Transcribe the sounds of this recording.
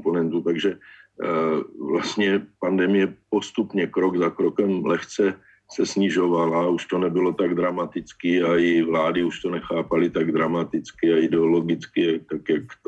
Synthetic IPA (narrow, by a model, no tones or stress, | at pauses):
ponɛnt̪ut̪aɡʒɛ | vlast̪ɲɛpandɛmɪjɛpo̞st̪upɲɛkɾoɡzakɾokɛmlɛxt͡sɛ | sɛsɲɪʒovalauʃt̪o̞nɛbɪlo̞t̪aɡd̪ɾamat̪ɪt͡skɪajɪvlaːdɪuʃt̪o̞nɛxaːpalɪt̪aɡd̪ɾamat̪ɪt͡skɪaɪdɛolo̞ɡɪt͡skɪat̪akjakt̪